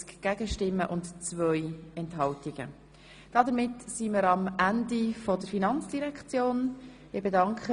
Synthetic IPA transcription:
t͡skɡ̥æɡəʃtɪmːəʔʊntt͡svœjɛntɦɑltiɡ̥ə̰ | d̥ɑdəɾmɪtsimɪɾɑmʔændifɔdəɾfinɑnt͡sd̥iɾɛkχt͡sjoːn | ɪɾbedɑŋkʰχə

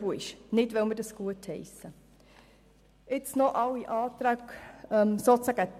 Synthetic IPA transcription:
voɪʃnɪdʋɛlmədɑsɡ̥uəthɛɪsə | ɪt͡snoʔɑwiʔɑːt̪ɾækɛmsot͡sæɡ̥ə

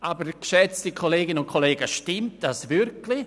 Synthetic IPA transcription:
ʔabəɾkʃɛt͡stikʰoleːɡɪnʊnkʰoleːɡəʃtɪmt̚d̥asvʏɾkli

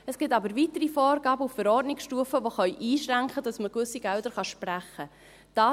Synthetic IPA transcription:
ɛsɡ̥ɪtɑbəɾvitəɾifɔːɾɡɑːbəuffɛɾɔːrdnɪksʃtuːəfəʋoχœʏʔiːʃɾæŋkχədɑsməkʋʏsiɡ̥ɛldəɾχɑʃpræχə | d̥ɑː

